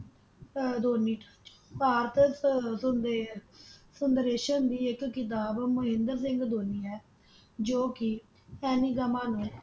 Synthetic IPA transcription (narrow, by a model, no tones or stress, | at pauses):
d̪oːniːʈːt͡ʃ | paːɾt̪ | sənd̪ɾeːʃənd̪iːɪkːɪt̪̬aːbməɦɪ̃nd̪əɾs̬ɪ̃ŋɡd̪oːniːɦɛː | d͡ʒoːkɪ | ɛːniːɡəmãːnũː